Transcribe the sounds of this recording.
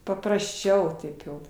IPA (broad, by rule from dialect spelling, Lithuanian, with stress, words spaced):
pɐprɐsʲˈt͡ʃʲɛʊ ˈtɐɪp ˈjɛʊ